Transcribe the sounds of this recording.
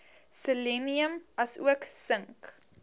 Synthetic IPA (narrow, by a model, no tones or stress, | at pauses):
səliniəmʔɐsṵəksəŋk